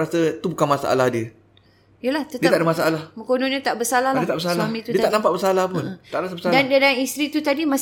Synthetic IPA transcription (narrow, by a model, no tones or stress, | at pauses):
ɾasət̪ubukanmasa̰ʔa̰lahdiə | ijəlaht̪ədiət̪adəmasaalahməkonõɲə̃t̪aʔbəsalahlaiət̪aʔbəsalamĩdt̪uiət̪aʔnampaʔbəsalahpunmt̪aʔɾasəbəsadandadanist̪ɾit̪ut̪adimãs